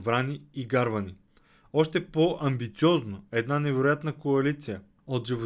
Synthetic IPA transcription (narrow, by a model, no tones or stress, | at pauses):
vɾaniiɡaɾvɐni | ɔʃt̪ɛpoʔɐmbit̪siɔznoɛd̪nanɛvɛɾojat̪nəkoɐlit̪sijə | ot̪ʒivo